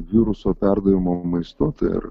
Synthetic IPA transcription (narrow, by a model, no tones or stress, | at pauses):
ʋʲiɾʊsoːpʲæɾd̪ɐʋʲɪmoːmɐɪst̪ot̪ɐ̰ɪ̰ɾ